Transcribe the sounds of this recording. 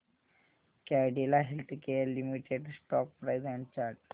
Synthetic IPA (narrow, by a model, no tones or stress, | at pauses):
kaɖelaɦelt̪ʰkejalːimiʈeɖsʈɔk̚pɾajzɛ̃ɳɖt͡ɕaɾɖ